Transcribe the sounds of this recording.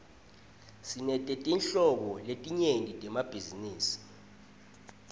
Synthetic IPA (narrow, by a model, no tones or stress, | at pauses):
sinɛtʼɛtʼinɬɔɓɔletʼiɲendʱitʼɛmab̥ʱiziniːsi̥